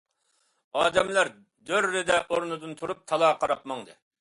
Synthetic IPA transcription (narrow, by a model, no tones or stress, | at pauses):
ɑːd̪ɛmlæɾ | d̪øɾːɪd̪ɛʔoɾnɨd̪ɨnt̪ʰuɾup̚t̪ʰɑlˠɑːqʰɑɾɑpmɑŋd̪ɨ